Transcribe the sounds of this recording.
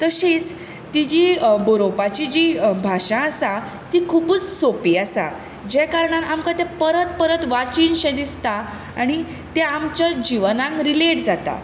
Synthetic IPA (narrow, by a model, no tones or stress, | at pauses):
t̪əɕiːt͡s | t̪id͡ʑiboɾopat͡ɕid͡ʑibʱaʂãːsa | t̪ikʰuːput͡sːopiːasa̰ | d͡ʑɛkaɾɳanamkat̪ɛ̃pəɾət̪pəɾət̪ʋat͡ɕiːnɕẽd̪ist̪a | a̰ɽ̃i | t̪ɛamt͡ɕad͡ʑiʋnãŋkɾileʈd͡zat̪a̰